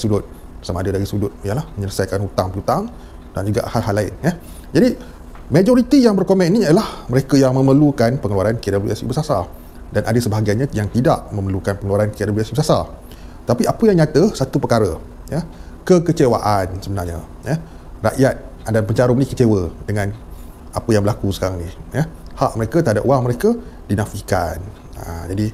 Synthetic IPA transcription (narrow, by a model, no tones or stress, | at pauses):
aisudʊt̪̚ | samaːdədaɾisudʊt̪̚jalahməɲələsajkanhut̪aŋpəut̪aŋ | d̥and͡ʒuɡa̰ʔhalɦalaɪ̰njə | d͡ʒadi | mẽd͡ʒoɾit̪ijaŋbərkomɛ̃nʔniadalahməɾekəjaŋmə̃məlukanpəŋəluaɾankadablṵasḭbəsasa̰ | danʔadəsəbaɦaɡajɲajaŋt̪ida̰ʔmə̃məlukanpəŋəluaɾankəadabliasibəsasa | t̪apiapəjaŋɲat̪əsat̪upərkaɾə | jə | kəkət͡ʃewa̰ʔansəbənarɲa̰ | jə | ra̰ʔjat̪̚ | adapəɲt͡ʃaɾʊp̚nikət͡ʃewədəŋãn | ʔapəjaŋbəlakusə̥kaɾaŋnijəhaʔməɾekət̪əɦada̰p̚uwaŋməɾekədinãfika̰n | əd͡ʒadi